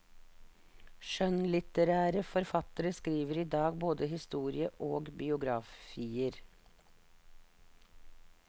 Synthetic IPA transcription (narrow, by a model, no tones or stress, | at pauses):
ʃœnlɪt̪əɾæːɾəfɔɾfɑt̪əɾəskɾiːʋəɾiːd̪ɑːɡboːd̪əhɪst̪uːɾɪəʔoːɡbɪʊɡɾɑfiːəɾ